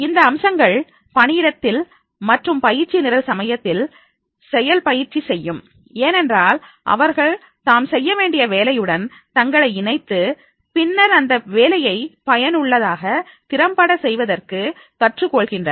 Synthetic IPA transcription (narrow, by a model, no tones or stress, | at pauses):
ɪnd̪ɐːmsɐŋɡɐɭ | pɐɳɪɪɽɐt̪ːɪl | mɐʈrɯmpɐjɪɾt͡ʃːinɪɾɐlsɐmɐjɐt̪ːɪl | sɛjɐlpɐjɪɾt͡ʃːisɛjːɯm | eːnɛndraːl | ʔɐ̰ʋɐɾɣɐɭ | t̪aːmsɛjːɐʋeːɳɖɪjɐʋeːlɐjɯɽɐn | t̪ɐŋɡɐɭɐɪɪnɐɪt̪ːɯ | pɪnːɐɾɐnd̪ɐʋeːlɐjɐɪpɐjɐnɯɭːɐðaːɣɐ | t̪ɪɾɐmpɐɽɐsɛjʋɐðɐrkɯ | kɐʈrɯkːɔɭɣɪndrɐ